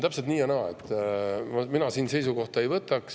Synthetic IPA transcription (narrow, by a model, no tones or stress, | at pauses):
t̪æpset̪niːjɑnɑːḛt̪ːˑmɑminɑsiːnse̞jsuko̞ht̪ɑe̞jvɤt̪ːˑɑks